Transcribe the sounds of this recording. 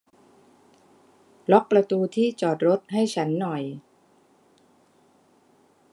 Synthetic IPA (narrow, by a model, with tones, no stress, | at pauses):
lɔ˦˥k̚pɾa˧t̪uː˧t̪ʰiː˥˩t͡ɕɔː˨˩t̪̚ɾo˦˥t̪̚ha˥˩jt͡ɕʰa˦˥nːɔ˨˩j